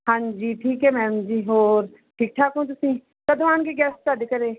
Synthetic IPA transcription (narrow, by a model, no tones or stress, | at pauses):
hãɲd͡ʒiːʈʰiːkɦɛmɛ̃ːmd͡ʒiːɦoːɾ | ʈʰiːk̚ʈʰaːkõːt̪̬ʊsĩ | kɐd̪ʋaːnkeɡɛːsʈ̚t͡ʃaːd̪ekɐɾeː